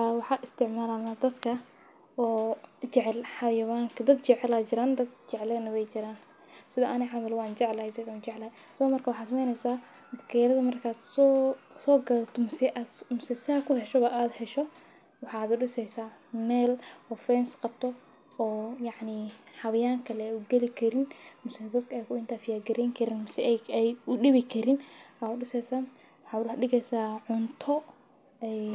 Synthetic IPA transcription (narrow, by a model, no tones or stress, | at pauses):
awɑħɑːʔɪst̪ʰɪʕmaːɾanad̪ɐd̪kʰɐ | ɔːt͡ʃɛʕɛlħɑjɐwaːŋkʰɐd̪ɐd̪t͡ʃɛʕɛlaːt͡ʃɪɾaːnd̪ɐd̪t͡ʃɛʕlɛnɐwɛjt͡ʃɪɾaːn | sɪðɐʔɐnɛħɑmɐlwaːnt͡ʃɛʕlɐhɛjsɛðat͡ʃɛʕlɐhɛ | sɔmɐrkʰɐwɑħɑːt̪smɛjnɛsaː | b̪ɡɛːɾɐðɐmɐrkʰaːssɔːɡɐðɐt̪ʰɔmsɛʔamsɛsɪɐkʰʊhɛʃɔβɐʔaːd̪hɛʃɔ | wɑħɑːd̪ʊɖɪsɛjsaːmɛːlɔːfɛnsqɑb̚t̪ʰɔ | ɔːjɑʕnihɑβɐjaːŋkʰɐlɛuɡɛlɪkʰɐɾɪnmʊsɛd̪ɐd̪kʰɐɛjkʰʊɪnt̪ʰaːfɪjaːɡɐɾɛŋkʰɐɾɪnmʊsɛɛjʊɗɪβɪkʰɐɾɪnaʊɗɪsɛjsaːn | wɑħɑːɖɪɣɛsaːʕʊnt̪ʰɔ | ɛ